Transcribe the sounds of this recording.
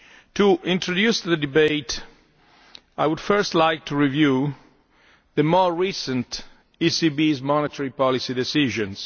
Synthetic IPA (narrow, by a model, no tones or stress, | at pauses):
t̪uʔĩntɹodjusðədibeɪt | ajwud̥fɜ˞stlajk̚tʰuɹivju | ðəmɔɹisə̃nt | isibizmɔnetʰəɹipɔlisidɛsiʒɔ̃ns